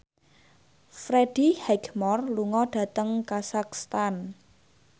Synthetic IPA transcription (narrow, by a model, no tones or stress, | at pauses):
fɾeɖ̥ihɛɡmɔrluŋɔɖ̥ä̤t̪əŋkasakst̪an